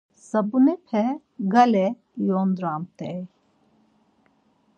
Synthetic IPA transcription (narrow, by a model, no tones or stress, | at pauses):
sɐbunepʰɛ | ɡɐle | joːnd̪ɾaːmt̪ej